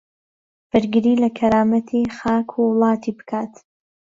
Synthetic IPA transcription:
b̥ɨɾɡɨɾiːlɐkʰɐɾaːmɐt̪ʰixaːkʰuwlˠɑːt̪ʰiːbɨ̥kʰaːt̪

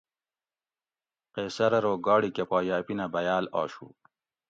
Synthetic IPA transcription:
qeːsɐɾɐɾoːɡɑːɽikepaːjaːpinabɐjaːla̰ːʃṵ

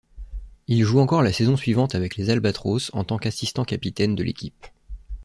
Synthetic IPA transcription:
ilʒuɑ̃kɔʁlasɛzɔ̃sɥivɑ̃t̪avɛklezalbat̪χosɑ̰̃t̪ɑ̃kasist̪ɑ̃kapit̪ɛnd̪əlʔḛkʲip

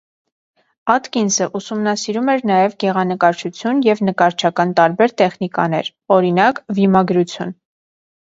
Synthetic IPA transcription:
ɑt̪kinsəʔusumnɑsiɾumɛɾnɑjɛvɡɛʁɑnəkɑɾt͡ʃʰut͡sʰjunjɛvnəkɑɾt͡ʃʰɑkɑnt̪ɑɾbɛɾt̪ɛχnikɑ̰nɛ̰ɾ | ɔɾinɑkvimɑɡɾut͡sʰjun

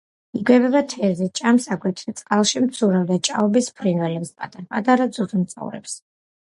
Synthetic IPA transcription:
iɡwɛbɛbat̪ʰɛzɛt͡ʃʼamsaɡwɛt̪ʰɾit̪sʼqʼalˠʃimt̪sʰuɾavd̪at͡ʃʼaɔbispʰɾinwɛlɛpspʼa̰d̪ʼapʼad̪aɾad̪zud̪mt̪sʼa̰vɾɛ̰ps

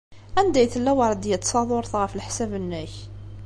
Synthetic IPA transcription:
ænd̪æjθəlːæwɑɾˤd̪jæt̪ːsˤɑðˤʊɾˤθʁəfəlħsævənːæç

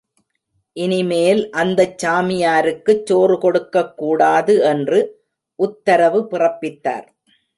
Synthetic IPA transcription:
ʔɪnɪmeːlʔɐnd̪ɐt͡ʃːaːmɪjaːɾɯkːɯt͡ʃːoːrɯkɔɽɯkːɐkːuːɽaːðɯɛndrɯ | ʔʊt̪ːɐɾɐʋɯpɪrɐpːɪt̪ːa̰ːɾ

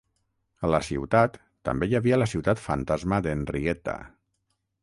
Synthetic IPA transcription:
ələsiwt̪at̪ːə̰mbejaβiələsiwt̪at̪fa̰nt̪azməðenriɛt̪a̰

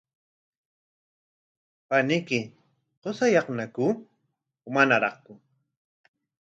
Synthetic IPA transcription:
panɪkɪ | qosajɑχnaku | ʊmanaɾɑχkʊ

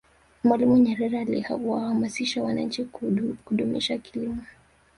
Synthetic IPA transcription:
mwalimuɲɛɾɛɾalihauwahamasiʃawana̰ɲ̩t͡ʃikuɗumɛ̰ʃakilimɔ

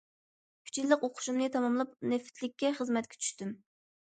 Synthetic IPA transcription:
kʲʰy̥t͡ʃʰillˠəqoqʰʊ̥ʃumnɨt̪ʰɑmɑmlˠɨp̚nɪft̪ʰlɪkʲːɛχəzmɛt̪̚kʲɛ̥t͡ʃʰy̥ʃt̪ym

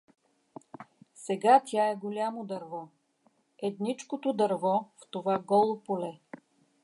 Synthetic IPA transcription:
sɛɡat̪ʲaɛɡolʲamod̪ɐɾvɔ | ɛd̪nit͡ʃkot̪od̪ɐɾvɔft̪ovaɡɔlˠopolɛ

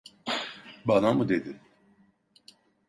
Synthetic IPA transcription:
banamud̪ed̪ɪ

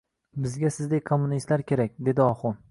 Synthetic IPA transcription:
bɪzɡʲasɪzd̪ejkʰomːʊnist̪laɾkʲʰe̞ɾak̚ʲd̪e̞d̪ɪɒχʊn

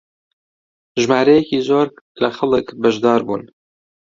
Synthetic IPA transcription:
ʒmɑːɾɛjɛkiːzoːɾ | lɐxɐləkbɐʒd̪ɑːɾbuːn

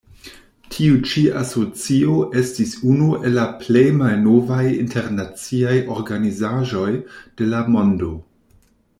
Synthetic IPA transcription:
tʰiut͡ʃiaso̞t͡sioʔe̞stisunuʔe̞lːaple̞jmalno̞vajinte̞ɾnat͡siajo̞ɾɡanizaʒo̞jd̥e̞lamo̞ndo̞

